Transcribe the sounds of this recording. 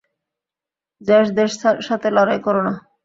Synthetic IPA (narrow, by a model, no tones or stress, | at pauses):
d͡ʑɛʃd̪eʃʰʃat̪ʰelɔɾajkoɾona